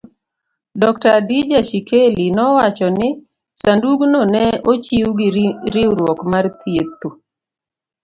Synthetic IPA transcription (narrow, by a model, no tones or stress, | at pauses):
dɔktadid͡ʒaʃikʰelinɔwat͡ʃɔnɪ | sanduɡnɔnɛot͡ʃiuɡɪɾɪɾwɔkmart̪ʰjet̪o